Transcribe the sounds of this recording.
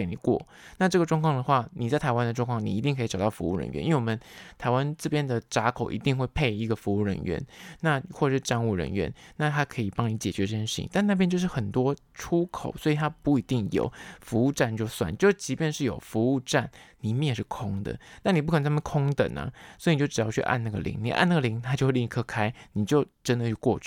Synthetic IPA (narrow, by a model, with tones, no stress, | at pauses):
e˧˩ni˨˩kwɔ̰˥˩ | na˥˧ʈ͡ʂɤ˥˩ə˩ʈ͡ʂwɑ˥˧ŋkʰɑ˥ŋd̪ə˩xwa˥˩ni˨˩t͡sa˥˩ɪt̪ʰa˧˥ɪwa˥nd̪ə˧ʈ͡ʂwŋkʰɑ˥˩ŋni˨˩i˧˥i˥˧ŋkʰi˧˩ʈ͡ʂɑ˨˩t̪ɑ˥˩fṵ˧˦u˥˩ɻə̰˧˥nɥɛ̰˧˦ʔwe˥˩wɔ˨˩mə˦nt̪ʰa˧˥ɪwa˦nt͡sɹ̩˥˧pjɛ˥˩nd̪ə˨˩ʈ͡ʂa˧˥kʰo˨˩ʊʔḭ˧˥t̪i˥˧ŋxwe˥˧ɪpʰe˥˧ɪi˧˥ɡə˨fu˧˥u˥˩ɻə̰˧˥nɥɛ̰˧˥nna˥˧xwɔ˥˩ʈ͡ʂə˨˩ʂɻ̩˥˧ʈ͡ʂa˥˧nu˥˩ɻə̰˧˥nɥɛ̰˧˥nna˥˩t̪ʰa˥kʰɤ˧˥i˨˩pɑ˥ŋni˧˥t͡ɕjɛ˨˩t͡ɕɥɛ˧˥ʈ͡ʂə˥˩ɕjʂi˥˧t̪a˥˧nna˥˩pjnt͡ɕjo˥˧ʊʂɻ̩˥˩xə˨˩nt̪wɔ˥ | ʈ͡ʂʰu˥kʰo˨˩ʊswɔ˧˥i˨˩t̪ʰa˥pu˥˩i˧˥t̪i˥˩ŋjo̰˨˩ʊfu˧˥u˥˧ʈ͡ʂa˥˧nt͡ɕjo˥˧ʊswa̰˥˩nt͡ɕjo˥˧ʊ˩t͡ɕi˧˥pjɛ˥˧nʂɻ̩˥˩jo˨˩ʊfu˧˥u˥˧ʈ͡ʂa˥˩nli˨˩mjɛ˥˩nʂɻ̩˥˩kʰʊ˥ŋd̪ə̰˨na˥˩ni˨˩pu˥kʰə˨˩nə˧a˥m˥˧kʰʊ˥ŋt̪ə̰˨˩nɐ̰˨˦swi˧˨t͡ɕo˥˩ʈ͡ʂ̩˨˩jɑ˥˧ʊt͡ɕʰy̰˥˧ʔa̰˥˧na˥˩ɡə˨lḭ˧˥˦ŋni˨˩ʔa̰˥˧na˥˩ɡə˨li˧˥ŋt̪ʰa˥t͡ɕjo˥˧ʊxi˥˧ŋi˥˧kʰɤ˥˧kʰa˥ɪni˨˩t͡ɕjo˥˩ʊʈ͡ʂə˥nd̪ə˨t͡ɕʰy˥˧kwɔ˥˧t͡ɕʰy˥˩